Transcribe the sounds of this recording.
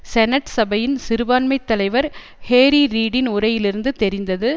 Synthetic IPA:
sɛnɐʈsɐbɐjɪnsɪɾɯʋaːnmɐɪt̪ːɐlɐɪʋɐɾ | heːɾiɾiːɽɪnʊɾɐjɪlɪɾɯnd̪ɯt̪ɛɾɪnd̪ɐðɯ

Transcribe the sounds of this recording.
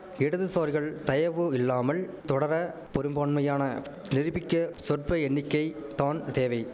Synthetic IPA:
ɪɽɐðɯsoːɾɣɐɭt̪ɐjɐʋɯɪlːaːmɐɭ | t̪ɔɽɐɾɐ | pɔɾɯmbaːɳmɐjaːnɐ | nɪɾɯbɪkːɐsɔʈ̚pɐɛɳːɪkːɐɪt̪aːnt̪eːʋɐɪ

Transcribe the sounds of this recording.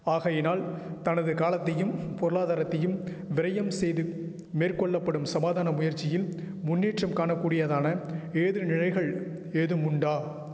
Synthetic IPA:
aːɣɐjɪnaːlt̪ɐnɐðɯkaːlɐt̪ːɐjɯmpɔɾɯlaːðaːɾɐt̪ːɐjɯm | ʋɪɾɐjɐmsɛjðɯ | meːrkɔɭːɐpːɐɽɯmsɐmaːðaːnɐmʊjɐɾt͡ʃːɪjɪl | mʊnːeːʈrɐmkaːɳɐkːuːɽɪjɐðaːnɐeːðɯnɪɻɐɪɣɐɭ | eːðɯmʊɳɖaː

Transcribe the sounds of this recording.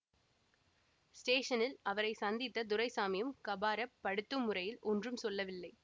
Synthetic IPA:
sʈeːʂɐnɪlɐʋɐɾɐɪsɐnd̪ɪt̪ːɐd̪ʊɾɐɪsaːmɪjɯmkɐbaːɾɐpːɐɽɯt̪ːɯmːʊrɐjɪlɔndrɯmsɔlːɐʋɪlːɐɪ

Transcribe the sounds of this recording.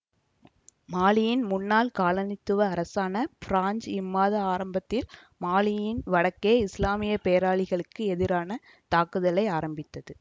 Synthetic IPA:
maːlɪjɪnmʊnːaːlkaːɭɐnɪt̪ːɯʋɐːɾɐsaːnɐfɪɾaːɲd͡ʒɪmːaːðɐaːɾɐmbɐt̪ːɪl | maːlɪjɪnʋɐɽɐkːeːɪslaːmɪjɐpejɐɾaːɭɪɣɐɭɯkːɯɛðɪɾaːnɐ | t̪aːkɯðɐlɐɪaːɾɐmbɪt̪ːɐðɯ

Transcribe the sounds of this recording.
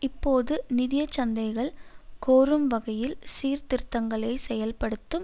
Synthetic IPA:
ɪpːoːðɯnɪðɪjɐt͡ʃːɐnd̪ɐɪɣɐɭkoːɾɯmʋɐɣɐjɪlsiːɾt̪ɪrt̪ːɐŋɡɐɭɐɪsɛjɐlpɐɽɯt̪ːɯm

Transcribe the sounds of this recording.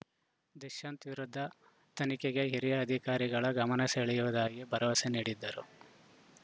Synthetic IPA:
d̪iʃɐnt̪ʋiɾud̪ʱːɐ | t̪ɐnikeɡe̞ɦiɾijɐːd̪ʱikaːɾiɡɐɭɐɡɐmɐnɐseːɭɛjuʋɐd̪aːɡibʱɐɾɐʋɐseniːɽid̪ːɐɾṵ

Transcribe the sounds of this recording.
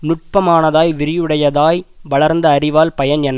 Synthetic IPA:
nʊʈ̚pɐmaːnɐðaːjʋɪɾɪjɯɽɐjɐðaːjʋɐɭɐɾnd̪ɐːɾɪʋaːlpɐjɐnɛnː

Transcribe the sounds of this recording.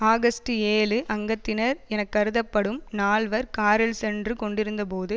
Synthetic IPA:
aːɣɐsʈɯeːlɯʔɐŋɡɐt̪ːɪnɐɾɛnɐkːɐɾɯðɐpːɐɽɯmnaːɭʋɐɾkaːɾɐlsɛndrɯkɔɳɖɪɾɯnd̪ɐpoːðɯ

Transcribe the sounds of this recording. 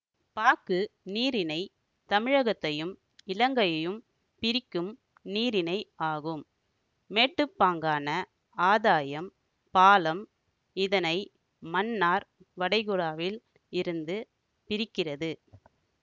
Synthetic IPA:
paːkɯniːɾɪnɐɪ | t̪ɐmɪɻɐɣɐt̪ːɐjɯm | ɪlɐŋɡɐjɐjɯm | pɪɾɪkːɯm | niːɾɪnɐɪaːɣɯm | meːʈːɯpːaːŋɡaːnɐ | aːðaːjɐm | paːlɐm | ɪðɐnɐɪ | mɐnːaːɾ | ʋɐɽɐɪɣʊɽaːʋɪl | ɪɾɯnd̪ɯ | pɪɾɪkːɪrɐðɯ

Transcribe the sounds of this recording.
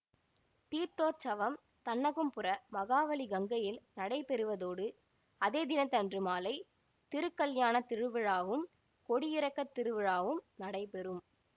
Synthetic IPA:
t̪iːɾt̪oːɾt͡ʃɐʋɐm | t̪ɐnːɐɣɯmpɯɾɐmɐɣaːʋɐliɡɐŋɡɐjɪlnɐɽɐɪpɛɾɯʋɐðoːɽɯ | ɐðeːd̪ɪnɐt̪ːɐndrɯmaːlɐɪ | t̪ɪɾɯkːɐɭjaːnɐt̪ɪɻɯʋɪɻaːʋɯm | kɔɽɪjɪɾɐkːɐt̪ːɪɾɯʋɪɻaːʋɯmnɐɽɐɪpɛɾɯm

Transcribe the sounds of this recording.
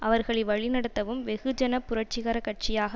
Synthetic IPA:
ʔɐʋɐɾɣɐɭɐɪʋɐɭɪnɐɽɐt̪ːɐʋɯmʋɛɣɯd͡ʒɐnɐpːʊɾɐʈ̚t͡ʃɪɣɐɾɐkɐʈ̚t͡ʃɪjaːɣɐ

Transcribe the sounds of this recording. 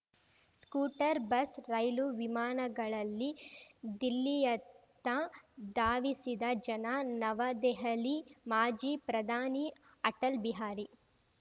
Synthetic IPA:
skuːʈɐɾbɐsɾɐjluʋimaːnɐɡɐɭɐlːid̪ilːijɐt̪ːɐd̪aːʋisid̪ɐd͡ʒɐnanɐʋɐd̪ɛɦɐlimaːd͡ʒiːpɾɐd̪ʱaːni | ɐʈɐlbiɦaːɾi

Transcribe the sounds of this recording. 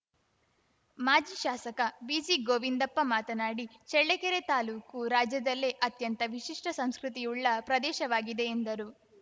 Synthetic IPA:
maːd͡ʒiːʃaːsɐkɐbiːsiːɡoːʋind̪ɐpːɐmaːt̪ɐnaːɽit͡ʃɛɭːekeɾet̪aːluːkuɾaːd͡ʒjɐd̪ɐlːe̞ʔɐt̪jɐnt̪ɐʋiʃiʂʈɐsɐmskɾut̪ijuɭːɐpɾɐd̪ɛːʃɐʋaːɡid̪e̞ːnd̪ɐɾu

